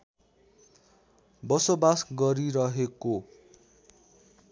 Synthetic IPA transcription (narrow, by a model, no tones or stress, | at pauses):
bʌsobasɡʌɾiɾʌɦeko